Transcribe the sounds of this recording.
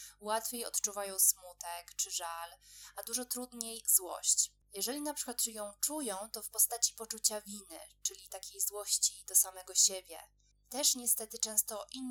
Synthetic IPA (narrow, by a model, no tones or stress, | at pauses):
wat̪fʲejɔ̰t̪t͡ʂuvajɔ̃w̃smut̪ɛkt͡ʂɘʐalad̪uʐɔt̪ɾud̪ɲejzwɔ̰ɕt͡ɕ | jɛʐɛlʲinapʂɘ̥kwat̪jɔ̃w̃t͡ʂujɔ̃w̃t̪ɔfpɔst̪at͡ɕi̥pɔt͡ʂut͡ɕavʲinɘ̰t͡ʂɘlʲit̪akʲejzwɔɕt͡ɕid̪̥ɔsamɛɡɔɕebʲjɛ̰ | t̪ɛʂɲɛst̪ɛt̪ɘt͡ʂɛ̃w̃st̪ɔʔinː